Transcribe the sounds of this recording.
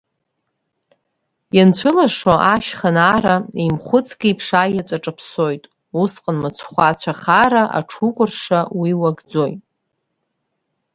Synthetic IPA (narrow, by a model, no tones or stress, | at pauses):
jant͡ɕʷʰɨlaʂoʔaʃχənaɾaimχʷʊt͡sʰɡʲiipʰʂajat͡sʷʼaʈ͡ʂʼapʰso̞jtʼ | usqʼənmat͡sʷʰχʷat͡ɕʷʰaχaɾaʔa̰ʈ͡ʂʰukʷʼʊrʂawiwaɡd͡zojtʼ